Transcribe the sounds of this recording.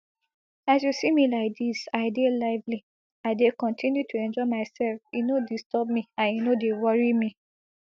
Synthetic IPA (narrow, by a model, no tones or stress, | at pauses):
asjusimilaɪk̚disaɪdelaɪvli | aɪdekɔ̃ntʰĩnjutʰuɛ̃nd͡ʒɔɪmaɪsɛlfinodistʰɔb̚miãninodewɔɹimi